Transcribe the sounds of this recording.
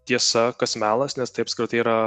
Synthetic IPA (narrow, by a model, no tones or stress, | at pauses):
t̪ʲiɛsɐkɐsʲmʲæːlˠɐsnʲɛst̪ɐɪɐpsʲkɾʲɪt̪ɐɪiɾɐ